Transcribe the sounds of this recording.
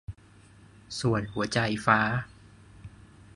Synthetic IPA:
su˨˩ənhu˩˦ɐt͡ɕa˧jfaː˦˥

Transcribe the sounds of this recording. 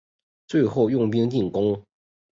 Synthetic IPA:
t͡swe˥˧ɪxo˥˧ʊjʊ˥˨˩ŋp̬i˥ŋt̪i˥˩ŋkʊ˥ŋ

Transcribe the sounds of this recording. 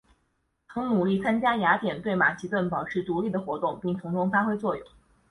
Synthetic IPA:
t͡sʰɤ˧˥ŋnu˨˩li˥˩t͡sʰa˥nt͡ɕja˥ja˧˥t̪jɛ˨˩nt̪we˥˩ɪma˨˩ɕi˧˥t̪wə˥˩npɑ˨˩ʊʈ͡ʂʰɻ̩˥˩t̪u˧˥li˥˩d̪ə˩xwɔ˧˥t̪ʊ˥˧ŋpi˥˩ŋt̪ʰʊ˧˥ŋʈ͡ʂʊ˥ŋfa˥xwe˥ɪt͡swɔ˥˩jʊ̰˨˩˦ŋ

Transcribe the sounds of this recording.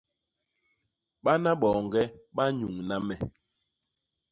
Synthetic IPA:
ɓa˦na˦ɓɔ˨ŋɡɛ˦ɓa˦ɲu˨ŋna˦mɛ˨

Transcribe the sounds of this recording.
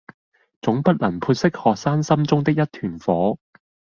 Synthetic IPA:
t͡sʊ˨˥ŋpɐ˥t̚lɐ˨˩npʰuː˧t̚sɪ˥k̚hɔː˨k̚saː˥nsɐ˥mt͡sʊ˥ŋt̪ɪ˥k̚jɐ˥t̚t̪ʰyː˨˩nfɔː˨˥

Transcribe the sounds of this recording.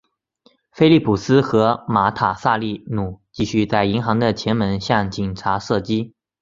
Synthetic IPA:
fe˥ɪli˥˩pʰu˨˩sɹ̩˥xɤ˧˥ma˧˥t̪ʰa˨˩sa˥˧li˥˩nu˨˩˦t͡ɕi˥˧ɕy˥˧t͡sa˥˩ɪi˧˥ŋxɑ˧˥ŋd̪ə˧t͡ɕʰjɛ˧˥nmə˧˥nɕjɑ˥˩ŋt͡ɕi˨˩nʈ͡ʂʰa˧˥ʂɤ˥˩t͡ɕi˥

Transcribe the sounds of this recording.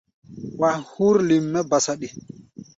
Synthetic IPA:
wa˨nhu˦ɾli˨mːɛba˨saɗi˨

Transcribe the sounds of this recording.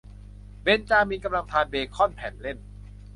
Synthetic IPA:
be˧nt͡ɕaː˧miː˧nka˧mla˧ŋt̪ʰaː˧nbeː˧kʰɔ˥˩npʰɛː˨˩nle˥˩n

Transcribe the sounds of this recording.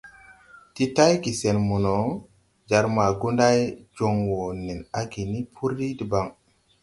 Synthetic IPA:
ti˦ta˦jɡi˨se˨nmu˨no˨ | d͡ʒa˨ɾma˨ɡu˦nda˦jd͡ʒo˨ŋwo˨ni˨na˦ɡi˨ni˦pʰu˦ɾːi˦di˨ba˨ŋ

